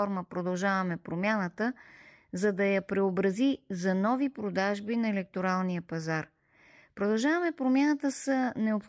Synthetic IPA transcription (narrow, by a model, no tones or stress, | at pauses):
ɔɾməpɾod̪ɐlˠʒavɐmɛpɾomʲanət̪ə | zɐd̪ɐjɐpɾɛobɾɐzizɐnɔvipɾod̪aʒbinɐɛlɛk̚t̪oɾalˠnijəpɐzaɾ | pɾod̪ɐlˠʒavəmɛpɾomʲjanət̪əsənɛop